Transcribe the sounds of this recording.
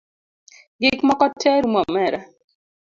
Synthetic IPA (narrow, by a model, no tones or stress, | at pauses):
ɡɪkmakɔtʰːɛɾumamɛɾa